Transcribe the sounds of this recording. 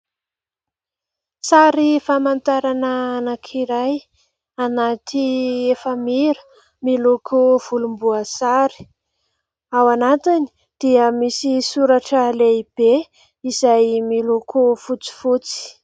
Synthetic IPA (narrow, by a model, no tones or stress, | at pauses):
saɾifamant̪aɾananakʰiɾaj | anat̪iefəmiɾə̥ | milukʰuv̥ulumbuəsaɾi̥ | awanat̪ini̥ | d̪̥iəmisisuɾaʈ͡ʂəleib̥e | izajmilukʰufut͡si̥fut͡si̥